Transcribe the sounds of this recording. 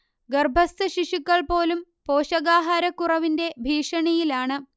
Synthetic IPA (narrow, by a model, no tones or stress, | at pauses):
ɡɐrbʱɐst̪ɨɕiʂikːɐɭpo̞ːlumpoːɕɐɣaːɦaɾɐkːurɐʋinde̞bʱiːʂɐɳijilaːɳɨ